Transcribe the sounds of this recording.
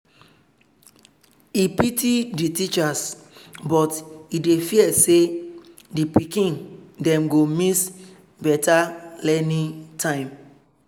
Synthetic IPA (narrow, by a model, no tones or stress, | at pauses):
ipitiditit͡ʃasbɔtidefiɛse | dipikĩndɛ̃mɡomis | bɛtʰalɛnitʰãɪ̃m